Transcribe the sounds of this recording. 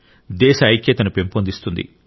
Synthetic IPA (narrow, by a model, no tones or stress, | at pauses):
d̪ɛːʃɐːjkʰːjɐt̪ɐnupe̞mpond̪ist̪und̪ḭ